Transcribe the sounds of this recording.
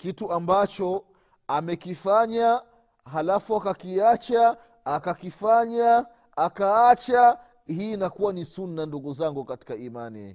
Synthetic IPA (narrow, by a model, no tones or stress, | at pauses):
kituambat͡ʃɔ | amɛkifaɲa | ɦalafuakakiat͡ʃaː | kakifaɲaː | kaat͡ʃa | hinakuwanisunːanduɠuzaŋɡukati̥kaima̰nḭ